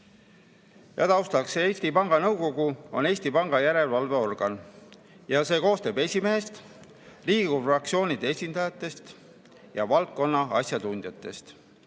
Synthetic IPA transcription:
jɑ̰t̪ɑwst̪ɑkseeːsʲt̪ipɑŋɡ̥ɑnɤwko̞ɡ̥uo̞ne̞ːsʲt̪ipɑŋɡ̥ɑjæɾe̞lvɑlve̞o̞rɡ̥ɑn | jɑse̞ːko̞ːst̪e̞ːbe̞sʲimeɦest̪ | liːɡ̥urɑk̚tsio̞ːnʲid̪̥e̞esʲind̪̥ɑjɑt̪ːˑe̞st̪ | jɑvɑlt̪̚ko̞nːɑɑsjɑd̪und̪̥jɑt̪ːˑe̞st̪

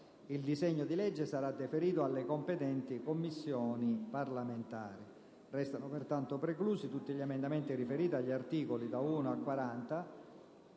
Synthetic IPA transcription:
ild̪isɛɲːod̪ilɛd͡ʒːesaɾad̪ːefeɾiːt̪oalːekompɛt̪ɛnt̪ikomːisːjɔːniparlament̪aːɾi | rɛst̪anopert̪ant̪opɾekluːsit̪ut̪ːiʎiemend̪amɛnt̪irifeɾiːt̪iaʎːart̪iːkolid̪auːnoakwaɾant̪a

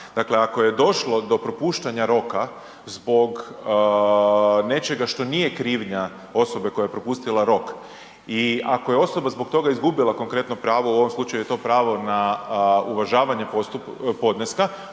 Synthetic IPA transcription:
d̪akle̞ako̞je̞d̪o̞ʃlˠo̞d̪o̞pɾo̞puːʃt̪aɲaɾo̞ka | zbo̞ɡ | ne̞t͡ʃe̞ɡaʃt̪o̞nije̞kɾiːʋɲa | o̞so̞be̞ko̞jajepɾo̞pust̪ilˠaɾo̞k | iako̞jeo̞so̞bazbo̞kt̪o̞ɡaizɡubilˠako̞ŋkɾe̞t̪no̞pɾaːʋo̞uo̞ʋomslˠut͡ʃajuje̞t̪o̞ːpɾaːʋo̞nauʋaʒaːʋaɲe̞post̪upo̞d̪neska

